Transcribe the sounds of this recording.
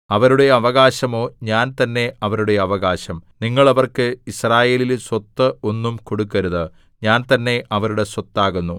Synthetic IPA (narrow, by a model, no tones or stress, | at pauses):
ɐʋɐɾuɽe̞ɐʋɐɣaːɕɐmo̞ːɲaːnt̪ɐnːe̞ɐʋɐɾuɽe̞ɐʋɐɣaːɕɐmniŋːɐɭɐʋɐrkɨisraːje̞ːlilswɐt̪ːɨo̞nːumko̞ɽukːɐɾuðɨ | ɲaːnt̪ɐnːe̞ʔɐʋɐɾuɽe̞swɐt̪ːaːɣunːu